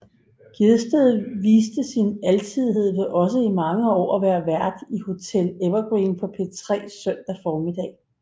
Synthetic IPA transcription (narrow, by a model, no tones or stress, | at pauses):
ɡ̥eðˠsd̥eðˠʋiːsd̥əsinælt͡sʰið̰ˠiɦe̝ð̞̰ˠʋeʔɒ̽səimɑ̈ŋəɒ̰ːʋæːɐʋæɐ̰d̥iho̝t͡sʰel̰eʋɐɡ̥ʁiːnpʰɒ̽pʰe̝t͡sʰʁɛ̰ːsœn̰d̥æfɒːmid̥ɛ̰ː